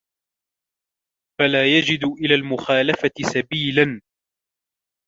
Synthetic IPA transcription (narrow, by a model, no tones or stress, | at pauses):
falaːjad͡ʒɪd̪ʊʔɪlaːlmʊxaːlafat̪ɪsabiːlan